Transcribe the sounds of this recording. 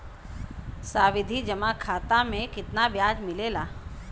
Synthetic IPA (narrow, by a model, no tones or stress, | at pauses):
saːʋɪd̪ʱid͡ʒɐmakʰaːt̪amẽkɪt̪nabjaːd͡ʒmɪleːlaː